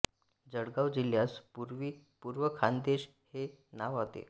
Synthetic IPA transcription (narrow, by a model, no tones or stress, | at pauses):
d͡zəɽɡaʋd͡ʑiljaspuɾʋiːpuɾʋəkʰand̪eɕ | henaʋat̪ḛ